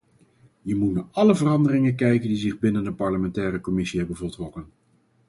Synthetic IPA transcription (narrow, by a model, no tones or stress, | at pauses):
jəmutnaːɹɑləvərɑndərɪŋəkɛjkəndizɪχbɪnəndəpɑɹləmɛntɛːɾəkɔmɪsiɦɛbənvəltrɔkən